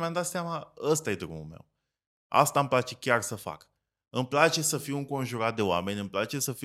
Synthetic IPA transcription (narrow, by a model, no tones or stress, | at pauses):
mjamd̪at̪seamaəst̪aje̞d̪ɾumṵlme̞̰w | a̰st̪aɨmplat͡ʃe̞kʲarsəfa̰k | ɨmplat͡ʃe̞səfiwuŋko̞nʒuɾat̪̚d̪e̞owa̰me̞nʲɨmplat͡ʃe̞səfi